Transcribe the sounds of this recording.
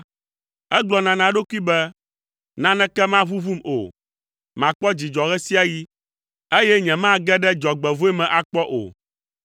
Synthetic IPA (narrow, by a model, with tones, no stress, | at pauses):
ɛ˦ɡ͡blɔ˨nã˨nã˨ɖo˦ku˦i˦bɛ˦ | nã˦nɛ̃˦kɛ˦mã˦βu˦vu˦mo̰˨ | mã˨k͡pɔ˦d͡ʑi˨d͡ʒɔ˨ɣɛ˦si˦a˦ji˦ | e˦jɛ˦ɲɛ̃˨mã˦ɡɛ˦ɖɛ˦d͡ʒɔ˨ɡ͡bɛ˨vo˦e˦mɛ̃˨ʔa˨k͡pɔ˦ʔo̰˨